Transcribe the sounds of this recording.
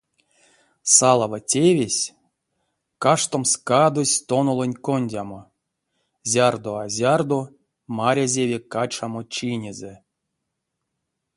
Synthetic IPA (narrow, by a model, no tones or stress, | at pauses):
salˠavatʲevʲesʲ | kaʂt̪omskad̪osʲt̪onolˠonʲkonʲdʲamo | zʲard̪oazʲard̪o | maɾʲazʲevʲekat͡ʃamot͡ʃinʲeze